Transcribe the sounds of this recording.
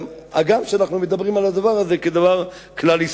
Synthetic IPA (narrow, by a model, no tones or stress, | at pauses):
ma̰ɡamʃeanaχnumed̪abʁimalad̪avaʁazeked̪avaʁ | klalis